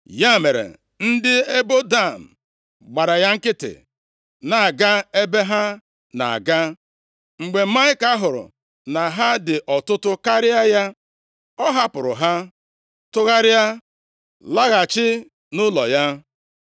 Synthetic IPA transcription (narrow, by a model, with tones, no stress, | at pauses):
ja˦me˨ɾḛ˨ | n̩˦dɪ˦e˦bo˦da˦˨m̩˨ | ɡ͡ba˨ɾa˨ja˦ŋ̩˦kɪ˦tɪ̰˨ | na˨a˨ɡa˦e˦be˦ɦa˦ | na̰˨a̰˨ɡa˦ | ŋ͡m̩˨ɡ͡be˨˦ma˦ɲɪ˦ka˦ɦʊ˨ɾʊ̰˨ | na˨ɦa˦dɪ˨ʔɔ˨tʊ˦tʊ˦ka˦ɾɪ˦a˦ja˦ | ɔ˦ɦa˦pʊ˨ɾʊ̰˨ɦa˦ | tʊ˦ɣa˦ɾɪ˦a˦ | la˦ɣa˨t͡ʃɪ˦ | nʊ˦lɔ̰˨ja˦